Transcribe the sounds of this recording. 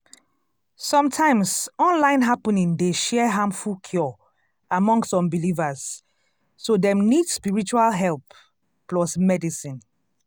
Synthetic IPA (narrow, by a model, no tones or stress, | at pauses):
sɔ̃mtʰãɪ̃msɔ̃nlãɪ̃nɦapənĩŋdeʃɛɦãmfulkʰjɔ | amɔ̃ŋsɔ̃mbilivasː | odɛ̃mnidspiɹit͡ʃualɦɛlˠp | pːlɔsmɛdisĩn